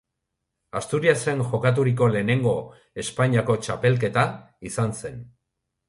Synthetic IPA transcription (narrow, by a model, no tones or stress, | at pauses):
ast̪uɾiase̞ŋʝo̞kat̪̬uɾik̬o̞le̞ːne̞ŋɡo̞ | e̞spaɲiako̞t͡ʃape̞lk̬e̞t̪a | isanse̞n